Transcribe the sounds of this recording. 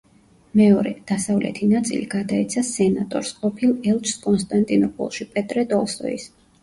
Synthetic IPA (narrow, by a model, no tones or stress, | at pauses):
mɛɔɾɛ̰d̪̥asavlɛ̰t̪ʰinat̪sʼḭliɡad̪aɛt̪sʰasɛnat̪ʼɔ̰ɾsqʼɔpʰilˠɛlˠt͡ʃʰskʼɔnst̪ʼant̪ʼinɔpʰɔ̰lˠʃipʼɛt̪ʼɾɛt̪ʼɔlˠsɔ̰ḭs